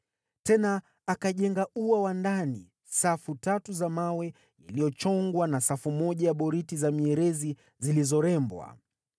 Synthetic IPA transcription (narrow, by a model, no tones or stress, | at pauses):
tɛnaː | kaʄɛŋɡauawandani | safutatuzamawɛ | ilijɔt͡ʃɔŋɡwanasafumɔʄajaɓɔɾitizamiɛɾɛzi | zilizɔɾɛmbwa̰